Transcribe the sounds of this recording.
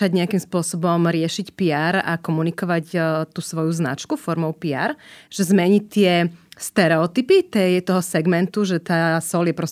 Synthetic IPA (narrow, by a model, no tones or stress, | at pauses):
aɟɲɛakimspʊɔsɔbɔmɾɪɛʃicpiaːɾa̰kɔmunikɔʋacːt̪uːsʋɔjuzna̰t͡ʃkufɔɾmɔʊpia̰ːɾʒ̥ɛzmɛɲit̪ɪɛst̪ɛɾɛɔt̪ipit̪ɛjt̪ɔɦɔsɛɡmɛnt̪uʒɛt̪aːsɔljɛpɾɔs